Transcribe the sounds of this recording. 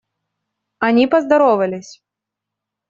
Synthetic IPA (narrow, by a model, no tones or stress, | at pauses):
anʲipɐzd̪aɾɔvɐlʲɪsʲ